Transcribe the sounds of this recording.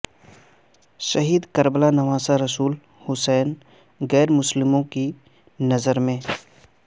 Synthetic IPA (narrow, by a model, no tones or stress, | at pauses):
ʃɐɦiːd̪kɐɾblanɐʋaːsaɾɐsuːl | hʊsɛːn | ɣɛːɾmʊslɪmõki | nɐzəɾmẽː